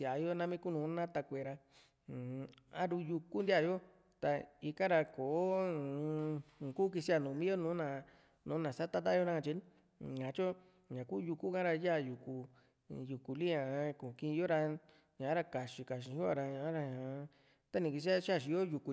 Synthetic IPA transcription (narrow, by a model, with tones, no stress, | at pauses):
a˨jo˦nã˦mĩ˦ku˦nũ˨˦nã˦t̪a˧kʷe˨ɾa˧˨ | a̰˦ɾu˧ju˧ku˦nd̪i˦a˦˧˨jo˦ | t̪a˧i˧kã˦ɾa˧ko˨˦˧ | ku˦k̬i˧si˦a˧˨nũ˨˧mĩ˦o˦nũ˨˦nã˨ | nũː˨˦nã˨sa˦t̪a˦t̪̬a˦jo˦nã˦ã˧t͡ʃi˧˦ | ɲã˨˦t͡ʃo˦ | ɲã˨ku˦ju˧ku˦kã˦ɾa˧ja˦˨ju˧ku˧ | ju˨ku˨li˦ɲã˧˨˧kũ˨kĩ˧jo˦ɾa˧ | ɲã˨ã˦ɾa˧ka˨ʃi˧ka˨ʃ̬i˧ju˦a˧ɾa˧ɲã˧˦ɾa˧ɲã˨˧˦ | t̪a˦nĩ˧ki˧s̬i˦a˦ʃa˦˨ʃ̬i˧jo˦ju˧ku˧